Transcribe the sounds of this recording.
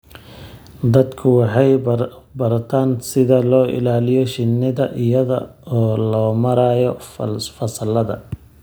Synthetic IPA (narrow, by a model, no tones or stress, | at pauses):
d̪ɐd̪kʰʊwɑħɑj | bɐrt̪ʰaːnsɪðɐlɔːʔɪ̰laːlɪjɔʃɪnːɪðɐʔɪjɐðɐ̰ɔːlɔːmɐɾaːjɔfɐsɐlɐðɐ̰